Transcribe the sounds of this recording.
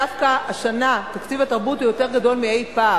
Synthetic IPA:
afkaːʃanat̪akt͡sivat̪aʁbut̪ujo̞t̪e̞ʁɡad̪o̞lmiejpa

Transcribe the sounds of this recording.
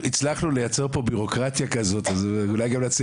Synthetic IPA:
it͡slaχnulejat͡se̞ʁpo̞biʁo̞kʁat̪jakazo̞tazulajɡamlat͡s

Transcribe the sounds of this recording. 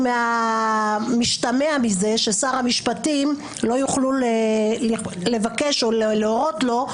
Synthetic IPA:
mea | miʃtameamize̞ʃe̞saʁhamiʃpatim | lo̞juχlulelle̞vake̞ʃolleoʁotlo̞

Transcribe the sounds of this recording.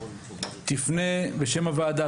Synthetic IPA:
t̪ifneveʃemavaːd̪a

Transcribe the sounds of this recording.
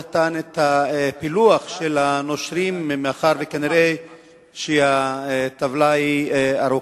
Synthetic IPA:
at̪anet̪hapiluaχʃelano̞ʃɾimmeaχaʁvekaniɾej | ʃehat̪avlaiaɾu

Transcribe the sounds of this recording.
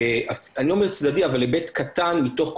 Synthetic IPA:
ʔafaniomeʁt͡sd̪adiavalːebetkʰatanmito̞χk

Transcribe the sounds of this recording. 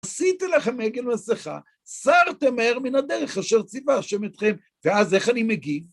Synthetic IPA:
asit̪ileχameɡelmaseχa̰ | saʁt̪emaeʁminad̪eʁeχaʃeʁt͡sivaːʃemet̪χe̞m | veaze̞χanimeɡi

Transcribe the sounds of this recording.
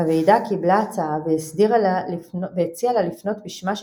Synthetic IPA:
avejdakiblaːt͡saaveisdiʁalalveet͡sialalifno̞t̪biʃmaʃ

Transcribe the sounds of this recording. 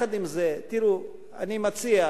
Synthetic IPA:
ad̪imzet̪iɾu | animat͡sia

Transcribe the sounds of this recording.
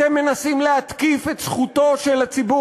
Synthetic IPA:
emːe̞nasimlehat̪kifet̪sχut̪o̞ʃelat͡sibu

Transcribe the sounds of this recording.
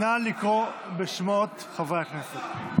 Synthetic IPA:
nalikʁobeʃmot̪ | χavajaχneset

